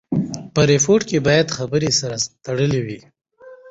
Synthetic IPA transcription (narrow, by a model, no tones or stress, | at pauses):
pəɾefoɾʈkebɑjad̪xabəɾesaɾat̪aɽəlewi